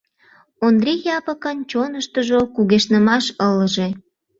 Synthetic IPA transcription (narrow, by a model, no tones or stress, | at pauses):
ond̪rʲijɑpəkənt͡ɕonəʃt̪əʒokuɣeʃnəmɑʃələʒe